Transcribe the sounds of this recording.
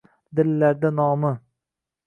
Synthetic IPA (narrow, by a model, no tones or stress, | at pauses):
d̪ɪlːæɾd̪ænɒːmɨ